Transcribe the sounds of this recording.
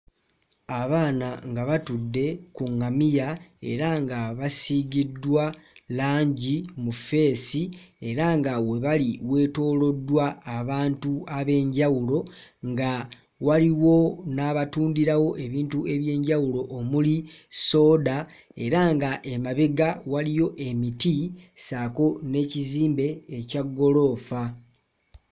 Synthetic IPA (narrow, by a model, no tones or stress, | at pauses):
aβaːnaŋɡaβatudːe̞kuŋːamijae̞̰ɾaŋɡaβasiɡidːwalaːɲɟimufe̞ːsie̞ɾaŋɡawe̞βaliwe̞ːto̞ːlo̞dːwaːβaːntuaβe̞ːɲɟawulo̞ŋɡa | waliwo̞naːβatuːndiɾawo̞ʔe̞βiːntue̞βje̞ːɲɟawulo̞ʔomuliso̞ːdae̞ɾaŋɡaʔemaβe̞ɡawalijo̞ʔe̞mitisako̞ne̞ːciziːmbe̞ːcaɡːo̞lo̞ːfa